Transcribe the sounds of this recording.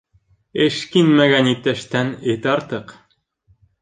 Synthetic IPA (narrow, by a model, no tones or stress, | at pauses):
ɘʃkinmæɡænit̚t̪ːæʃt̪ænet̪ɑɾt̪ɤq